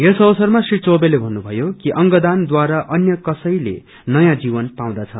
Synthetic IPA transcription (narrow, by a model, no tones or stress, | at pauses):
jesʌbʌsʌrmasrit͡sobelebʱʌnːubʱʌjokiʔʌŋɡʌd̪and̪waɾaʔʌnjʌkʌsʌjlḛ | nʌjãd͡zibʌnpaw̃d̪at͡sʰʌ